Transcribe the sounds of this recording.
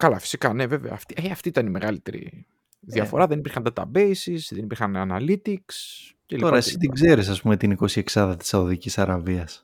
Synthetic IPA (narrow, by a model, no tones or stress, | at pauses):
kɐlɐfi̥sikɐne̞ve̞vḛɐ̰ːft̪iɐft̪iit̪ɐnime̞ɣɐlit̪e̞ɾḭ | ðiɐfo̞̰ɾɐðe̞nipiɾxɐnd̪ɐt̪ɐ̰be̞isisðenipiɾxɐnɐnɐlit̪iks | elio̞ɾɐesit̪iɡze̞ɾisɐspume̞t̪iniko̞sie̞ksɐðɐt̪i̥sɐoðicisɐɾɐviɐs